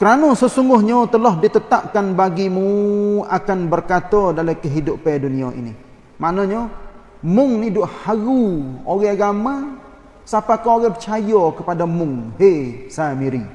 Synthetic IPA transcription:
kəɾanɔsəsuŋɡʊhɲɔt̪əlɔɦdit̪ət̪ap̚kanbaɡimuakanbərkat̪ɔdalakəɦidʊpːɛduniaʔḭnḭ | manɔɲɔ | mʊŋnidʊʔ̚haɣuoɣɛɡama | sapakaɣɛpə̥t͡ʃajɔkəpadamʊŋhesamiɾi

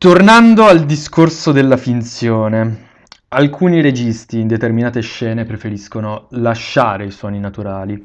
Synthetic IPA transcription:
t̪ornand̪oald̪iskorsod̪elːafint̪sjoːne | alkʰuːniɾed͡ʒist̪iːnd̪et̪erminaːt̪eʃːɛːnepɾefeɾiskonolaʃːaːɾeiswɔːninat̪uɾaːli

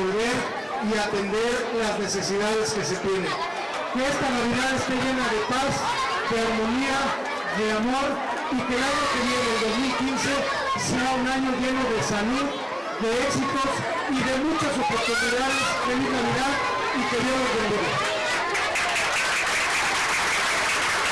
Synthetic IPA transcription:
olβeɾ | iat̪e̞nd̪e̞ɾ | lazne̞se̞siðaðe̞ske̞se̞t̪je̞ne̞n | kee̞st̪anaβiðaðe̞st̪eʝe̞naðe̞paz | d̪e̞aɾmo̞nia | ðe̞amo̞ɾ | ike̞ːlaɲo̞keβjeneðeld̪o̞zmilkinse̞ | seaunaɲo̞ʝe̞no̞ðe̞saluð | ðe̞eksit̪o̞s | iðe̞mũt͡ʃasot̪ot̪ut̪uðaðezd̪eβiznaβiðað | ikeβjeɾot̪end̪eɾe

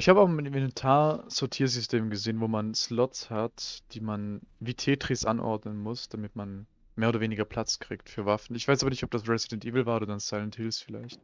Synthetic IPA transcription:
ʔɪçhaːbəaʊmɪnmɛnɛntʰaːɐsɔɐtʰiːɐzʏstʰeːmɡəzeːənvoːmanslɔtshatd̥iːmanvitʰeːtʁ̥isʔa̰nʔɔ̰ɐdnənmʊsd̥amɪtman | meːɐoːdɐveːnɪɡɐpʰl̥at͡skʁ̥iːktfyːɐvafn̩ɪçv̥aɪsʔaːbɐnɪçtɔp̚d̥asʁɛzidɛntʔiːvl̩vaːodɐdansaɪlənthɪlsfɪla̰ɪçt

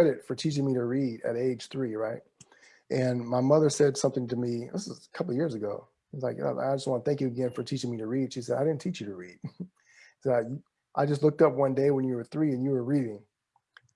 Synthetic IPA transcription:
ɛɾɨtfə˞tʰit͡ʃɪ̃ŋmiɾɨɹiɾɨ̰ɾeɪd̥ʒ̥θɹiɹaɪt̚ | ʔɨ̃nmaɪmʌðə˞sɛdsʌ̃mθɪ̃ŋtɨmiðɪsɨzkʰʌpl̩ˠjɪɹzɨɡoʊ | iʌzlaɪkʌ̰aɪd͡ʒʌstwɑ̃nəθæ̃ŋkjɨɨɡɛ̃nfə˞tʰit͡ʃɪ̃ŋmiɾɨɹid̥ʃisɛɾaɪɾɪdⁿn̩tʰit͡ʃɨɾɨɹid̥̚ | saɪkj | ʔaɪd͡ʒʌstˡlʊk̚tʌpwʌ̃ndeɪwə̃njɨwə˞θɹiɨ̃njɨwə˞ɹiɾɪ̃ŋ

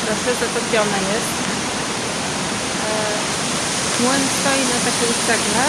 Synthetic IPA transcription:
ɾasɛzat̪ɔpʲjɔnajɛst̪ | mwɛnst̪ɔjinat̪akʲɛuʂɛɡlɛ

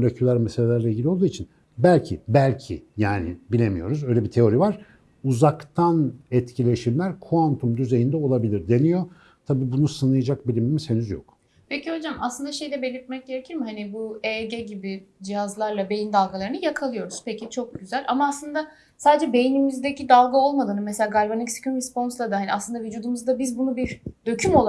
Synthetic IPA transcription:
olʲecʰylʲæɾmɛselʲelʲæɾlʲailʲɟilʲiolˠd̪uːit͡ʃʰin | bælʲcʰḭbælʲcʰḭjaːnḭbilʲemḭjo̞̰ɾuzø̞jlʲebit̪ʰe̞o̞ɾivaɾ̥ | uzakt̪ʰanɛt̪cʰilʲe̞ʃiɾlʲæɾkʰuant̪ʰumd̪yze̞jind̪ɛo̞lˠabilʲiɾd̪e̞nijo̞ | t̪ʰabiːbunusɯnɯjad͡ʒak̚bilʲimimise̞nyzjo̰k | pʰeciho̞d͡ʒamaslɯnd̪aʃe̞jd̪ɛbe̞lʲiɾt̪̚mɛc̚ɟe̞ɾe̞cʰiɾmɪhanibueɟeɟibid͡ʒijazlˠaɾlˠabe̞jind̪alˠɡalˠaɾɯnɯjakʰalˠɯjo̞ɾuz̥pʰecʰit͡ʃʰo̞k̚ɟyzælʲamaːslˠɯnd̪a | saːd̪ed͡ʒɛbe̞jinimizd̪ecid̪alˠɡao̞lˠmad̪ɯnɯmeselʲaːɡaɾbanicsi̥cʰymbispo̞nslˠad̪ahanʲiaslˠɯnd̪avid͡ʒuːd̪umuzd̪abizbunubiɾd̪̥ø̞cʰymo̞lˠ

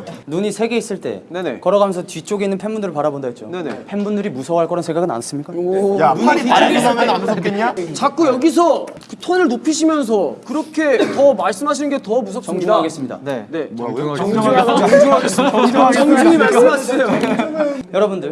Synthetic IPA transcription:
nuɲisʰe̞ɡe̞is͈ɯɭt͈e̞̰nenḛkʌɾʌɣamjʌnsʰʌt͡ɕɥit͡ɕ͈oɡeinːɯnpʰenbundɯɾɯɭpaɾabondait͡ɕ͈o̰nenḛpʰenbundɯɾimusʰʌwaɭk͈ʌɾʌnsʰeŋɡaɡɯna̰ns͈ɯmɲik͈aojaaɾiaeamananoʌk͈eɲat͡ɕak͈ujʌɡis̬ʰʌkɯtʰonɯɭnopʰiɕʰimjʌns̬ʰʌkɯɾʌkʰe̞tʌmaɭs͈ɯmɦaɕʰinɯnɡe̞tʌmus̬ʰʌt͡ɕidaɡes͈ɯmɲida̰nene̞ʌŋd͡ʑ | aɡes͈d͡ʑaʌŋd͡ʑiŋimaɭs͈ɯmaɕiejo | jʌɾʌbundɯɭ

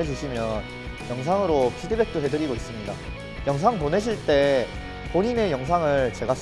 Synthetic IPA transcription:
e̞d͡ʑuɕʰimjʌn | jʌŋs̬ʰaŋɯɾopʰidebe̞k̚t͈oɦedɯɾiɡois͈ɯmɲida̰ | jʌŋs̬ʰaŋpone̞ɕ̬ʰiɭt͈e̞ | poɲine̞jʌŋs̬ʰaŋɯɭt͡ɕe̞ɡas

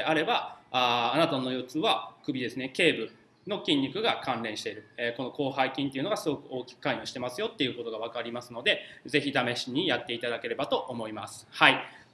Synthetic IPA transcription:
aɾe̞baaːnat̪ano̞jot͡sɨβakɯ̟bʲid̪e̞sɨne̞ke̞ːbɯ̟ | no̞kʲĩɲːʲikɯ̟ɡakãnɾẽ̞ɕi̥t̪e̞ɾɯ̟eko̞no̞ko̞ːɦaikʲĩnt̪eiɯ̟noɡasɨɡo̞kɯ̟o̞ːkʲi̥kɯ̥kaiɲʲõɕi̥t̪e̞masɨjo̞t̪ːe̞jɯ̟ːkot̪o̞ɡaβ̞akaɾʲimasɨno̞d̪e̞ze̞çid̪ame̞ɕiɲ̟ijat̪ːe̞it̪ad̪ake̞ɾe̞bat̪o̞ʔomo̞imasɨ̥hai

